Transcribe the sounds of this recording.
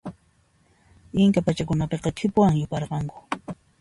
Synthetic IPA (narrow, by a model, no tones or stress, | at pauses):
ɪŋkapat͡ʃakʊnapeqɑtʰɪpʊwaŋjʊpɑɾqɑŋkʊ̥